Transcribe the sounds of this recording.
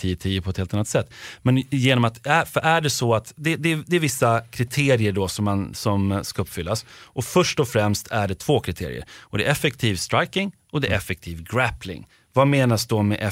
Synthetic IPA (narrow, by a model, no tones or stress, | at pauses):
t̪ʰiːt̪ʰiːəpʰɔɛt̪heːlt̪anːat̪sɛt̪ːmɛnjeːnɔmat̪æfœɾʔæɖɛsɔat̪d̪ɛd̪ɛd̪ɛːvɪsːakʰɾɪt̪ʰeːɾɪəɖɔsɔmːansɔmskaɵpːfʏlːasʔɔfœʂʈɔfɾɛmst̪ʰæɖɛt̪ʰv̥oːkʰɾɪt̪ʰḛːɾɪ̰ə̰ɾɔd̪ɛʔɛfɛk̚t̪ʰiːvst̪ɾajkɪŋ | ɔd̪ɛʔɛfɛk̚t̪ʰiːvɡɾæpʰlɪ̰ŋ | vameːnasd̪mɛ̰ʔɛ